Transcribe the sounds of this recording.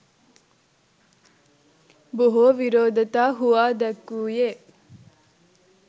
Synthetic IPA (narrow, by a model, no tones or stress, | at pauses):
boɦoːʋiɾoːd̪ʱɐt̪aːɦuʋaːd̪ɛkːuːjeː